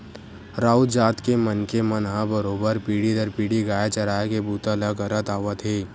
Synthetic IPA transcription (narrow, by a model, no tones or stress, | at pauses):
ɾaːud͡ʒaːt̪kemənkemənɦãbəɾoːbəɾpiːɽid̪əɾpiːɽiɡaːet͡ʃɐɾaːekebuːt̪aləɡɐɾət̪aːʋət̪ɦeː